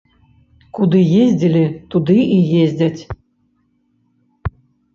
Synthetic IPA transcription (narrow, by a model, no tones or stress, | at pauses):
kud̪ɨjezʲdʲɘ̆lʲɘ̆t̪ud̪ɨʔijezʲdʲætʲ